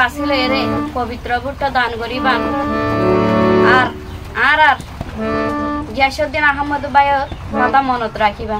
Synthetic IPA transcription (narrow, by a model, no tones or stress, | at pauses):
asilɔeɾepɔbit̪ɾɔɡuʈːɔd̪ankɔɾiban | aɾ | ãɾaɾ | ɡɛʃɔd̪ːinaɦɔmːɔd̪ɔbajɔɾmãd̪amɔnɔt̪ɾakʰiban